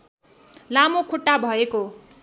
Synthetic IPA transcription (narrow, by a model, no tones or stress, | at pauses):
lamokʰuʈːabʱʌeko